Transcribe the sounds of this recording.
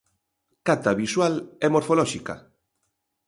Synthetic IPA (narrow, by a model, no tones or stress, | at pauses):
kat̪aβiswalɛmoɾfolɔʃika̰